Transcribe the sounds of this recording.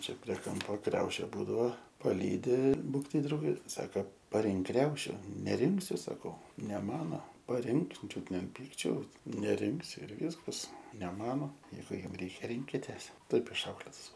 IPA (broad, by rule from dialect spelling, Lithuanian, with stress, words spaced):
ˈt͡ʃʲɛ pʲrʲiɛ ˈkɐmpoː ˈkrʲɛʊʃʲeː ˈbuːdɐʋoː pɐˈlʲiːdʲɪ ˈbuːk tɐɪ ˈdrɐʊɡʲeː ˈsɐks pɐˈrʲɪŋk ˈkrʲɛʊʃʲʊ nʲɛˈrʲɪŋksʲʊ sɐˈkɐʊ nʲɛ ˈmɑːnoː pɐˈrʲɪŋk ˈt͡ʃʲʊt nʲɛ ɐn ˈpʲiːkt͡ʃʲɛʊs nʲɛˈrʲɪŋksʲʊ ɪr ˈʋʲiːskɐs nʲɛ ˈmɑːnoː ˈjɛɪɡʊ ˈjʊm ˈrʲɛɪkʲɛ ˈrʲɪŋʲkʲɪtʲeːs ˈtɐɪp ɪʃˈɐʊklʲeːtɐs